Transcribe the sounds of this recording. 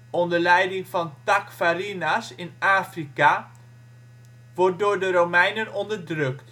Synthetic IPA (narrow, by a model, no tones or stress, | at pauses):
ɔndəɹlɛjdɪŋfɑntakfarinasɪnaːfrika | ʋɔrt̚doːɹdəɾowmɛjnənɔndərdrøkt